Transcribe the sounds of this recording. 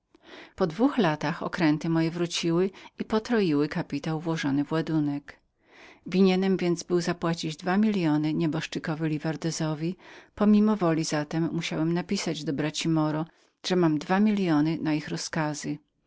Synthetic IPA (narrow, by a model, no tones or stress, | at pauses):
pɔd̪vuxlat̪axɔ̰kɾɛnt̪ɘmɔjɛvɾut͡ɕiwɘipɔt̪ɾɔjiwɘkapʲit̪awvwɔʐɔnɘvwad̪unɛk | vʲiɲɛnɛmvʲjɛnd̪zbɘwzapwat͡ɕid͡ʑd̪vamʲilʲjɔnɘɲɛbɔʂt͡ʂɘkɔvɘlʲivaɾd̪ɛzɔvʲipɔmʲimɔvɔlʲiz̥at̪ɛmːuɕawɛmnapʲisad͡ʑd̪ɔbɾat͡ɕimɔɾɔ | ʐ̥ɛmamd̪vamʲilʲjɔnɘnaixɾɔskazɘ